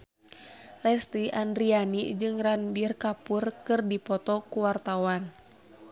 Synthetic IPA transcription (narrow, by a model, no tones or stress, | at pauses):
lɛst̪iʔandɾianid͡ʒɨŋɾanbirkapurkɨrdipɔt̪ɔkuwart̪awan